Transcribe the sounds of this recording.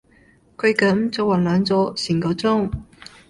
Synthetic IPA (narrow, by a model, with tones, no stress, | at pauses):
kʰɵ˨˧ɥkɐ˨˥mt͡so˨˧wɐ˨˩nlœː˨˧ŋt͡sɔː˨˧˥siː˨˩nko˨˧t͡sʊ˥ŋ